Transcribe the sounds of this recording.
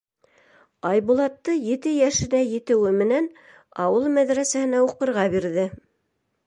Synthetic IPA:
ɑjbulˠɑt̪ːɤjɘ̆t̪ɘjæʃɘ̆næjɘ̆t̪ɘ̆wɘmɘ̆næn | ɑwɤlˠmæðɾæsæhɘ̆næuqɤ̆ɾʁɑbiɾðɘ

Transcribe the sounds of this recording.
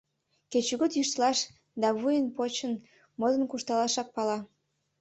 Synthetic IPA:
ket͡ɕuɣot̪jyʃt̪lɑʃ | d̪ɑβujənpot͡ɕən | mod̪ənkuʃt̪ɑlɑʃɑk̚pɑlɑ

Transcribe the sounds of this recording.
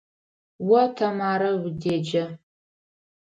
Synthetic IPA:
wɐtʰɐmaːɾɐwdeːd͡ʒɐ

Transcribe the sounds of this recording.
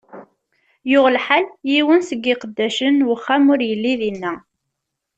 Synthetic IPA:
jʊʁəlħaljiwənsəɡːiqəd̪ːæʃənwəχːamʊɾjəlːiðinːæ

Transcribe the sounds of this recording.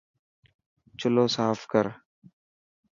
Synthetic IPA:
t͡ʃʊloːsaːfkəɾ

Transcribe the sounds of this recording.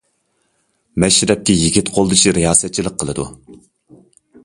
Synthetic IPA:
mɛʃɾɛp̚kʲɛjiɡʲit̪qʰolˠd̪ɨt͡ʃʰiɾijɑːsɛt̪̚t͡ʃʰilˠəqʰːəlˠɨd̪ṵ

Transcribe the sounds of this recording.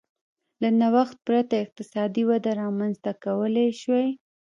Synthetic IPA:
lanawaxt̪̚pɾat̪aɪq̚t̪ɪsɑd̪iwad̪aɾɑmanzt̪akawəleʃwaj

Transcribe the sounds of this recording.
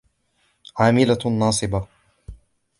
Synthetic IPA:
ʕaːmɪlanːɑːsˤɨba

